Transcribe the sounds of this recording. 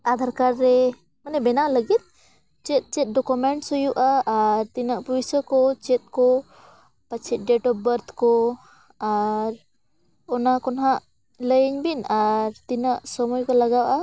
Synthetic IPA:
ad̪ʱaɾkaɾːɛ | manɛbɛnaʔləɡit̪̚ | t͡ʃɛt̪̚t͡ʃɛt̪̚ɖɔkumɛɳʈsɔjuʔaʔːɾt̪inaʔpujsəkɔt͡ʃɛt̪̚kɔ | pat͡ʃʰɛt̪̚ɖɛʈɔp̚bəɾt̪ʰkɔ | aɾ | ɔnakɔnɦaʔ | ləjɲbinaɾt̪inaʔsɔmɔjkɔlaɡawʔa

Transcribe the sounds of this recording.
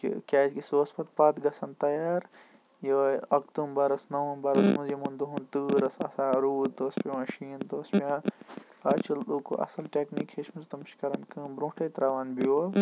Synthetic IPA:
kḭkʲaːzkisoːspɐt̪̚paːt̪ɡɐsɐnt̪ɐjaːɾ | joɐk̚t̪uːmbɐɾɐsnɐʋũmbɐɾɐsmuzjimund̪uɦũnt̪ɨːɾɐsɐ̰saːɾuːd̪d̪oːspʲimɐʃiːnd̪oːspiã | ɐt͡ʃʰɐluːko̰ʔɐ̰sɐlʈeːknikheʃmuzt̪ɐmʃkɐɾɐnkɨ̃ːmbɾõːʈʰɐjt̪ɾaːʋɐnbio

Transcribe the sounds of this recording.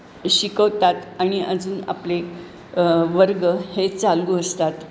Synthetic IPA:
ɕikəʋt̪at̪aɽ̃iəd͡zuːna̰ple | ʋəɾɡəhet͡salɡuəst̪at̪

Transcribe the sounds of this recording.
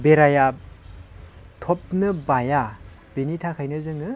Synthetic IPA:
beɾaja | tʰop̚nɯbaja | b̥enitʰakʰajnɯzɯŋɯ

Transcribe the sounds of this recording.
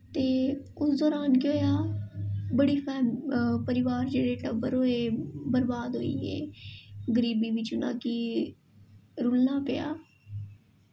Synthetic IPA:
t̪eː | ʊsd̪oːɾaːnkɪoːjaː | bəɽiːpʰɛːmpəɾɪʋaːɾd͡ʒeːɽeːʈəbəɾoːeːbəɾbaːd̪ɦo̰ːiːḛːɡəɾiːbiːʋɪt͡ʃʊnã̰ːkiː | ɾʊlnaːpja̰ː

